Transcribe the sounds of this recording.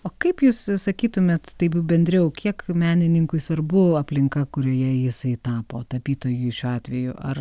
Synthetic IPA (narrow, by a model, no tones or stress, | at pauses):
oːkɐɪpjuːssɐkʲiːt̪ʊmʲɛt̪t̪ɐɪpjbʲɛnʲd̪ʲɾʲɛʊkʲiɛkmʲæːnʲɪnʲɪŋkʊɪsʋɐrbʊɐpʲlʲɪŋkɐkʊɾʲoːjɛjɪsɐɪt̪ɑːpoːt̪ɐpʲiːt̪oːjuʃʲuːɑːt̪ʲʋʲɛjʊʔɐr